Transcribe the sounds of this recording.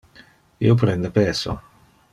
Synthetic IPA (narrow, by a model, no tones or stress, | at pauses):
ḭop̬ɾɛnd̪epɛso̰